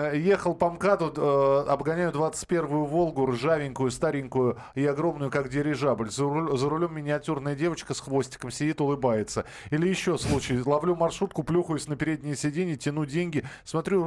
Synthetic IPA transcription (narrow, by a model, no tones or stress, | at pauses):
je̞xəlˠpɐmkat̪ʊəɐbɡɐnʲæjʊd̪vat̪sɨ̥t̚ʲpʲe̞rvʊjʊvo̞lˠɡʊrɨʐavʲɪŋʲkʊjʊst̪aɾʲɪŋʲkʊjʊ | ɪɐɡɾo̞mnʊjʊkakdʲɪɾʲɪʐablʲzzəɾʊlʲo̞mːʲɪnʲɪɐtʲurnəjədʲe̞vət͡ɕkəsxvo̞sʲtʲɪ̥kəmsʲɪdʲit̪ʊlˠɨbajɪt̪sə | ilʲɪjɪɕːoslˠut͡ɕɪjlˠɐvlʲumɐrʂut̪̚kʊplʲuxʊjʊsʲnəpʲɪɾʲedʲnʲɪjəsʲɪdʲenʲɪjtʲɪnudʲenʲɡʲɪsmɐt̪ɾʲu